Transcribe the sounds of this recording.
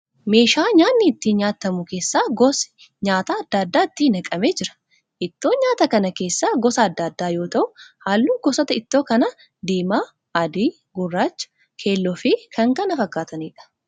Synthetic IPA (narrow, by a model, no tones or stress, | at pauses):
me̞ːʃaːɲaːnːɪt̪ːiːnɲaːt̪ːɐmʊke̞ːsːaːɡɔsɪ̥ | ɲaːt̪aɐd̪̥ːaːd̪ːaːɪt̪ːiːnɐkʼɐme̞ːd͡ʒɪɾɐ̥ | ʔɪt̪ːo̞ːɲaːt̪ɐkɐnɐke̞ːsːaːɡɔsɐːd̪ːaːd̪ːaːjo̞ːt̪ɐʔʊhaːlːuːɡɔsɐt̪ɐɪt̪ːo̞ːkɐnɐ | d̪iːmaː | ɐd̪iː | ɡʊrːaːt͡ʃː | kʰeːlːɔfikʰɐŋkɐnɐfɐkːaːt̪ɐniːᶑɐ̥